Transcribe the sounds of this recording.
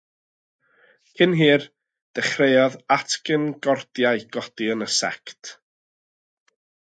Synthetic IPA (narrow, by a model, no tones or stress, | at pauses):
hʰɨnɦiːr | d̥ɛχrejɔðatʰkɪnɡɔrd̥jaɨɡ̥ɔdiənəsɛ̰ktʰ